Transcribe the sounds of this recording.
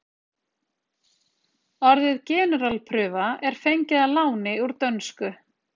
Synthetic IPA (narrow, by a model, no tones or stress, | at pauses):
ɔɾðɪðcɛːnʏɾalpʰɾʏːvaɛɾ̥fejɲcɪðalaːwnɪuɾt̪œnskʏ